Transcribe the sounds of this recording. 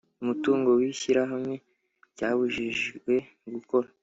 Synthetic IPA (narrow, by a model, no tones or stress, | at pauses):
umutuːŋɡo̞wiçiɾaɦamŋe̞ | caːβuʒiʒɡwe̞ | ɡuko̞ɾa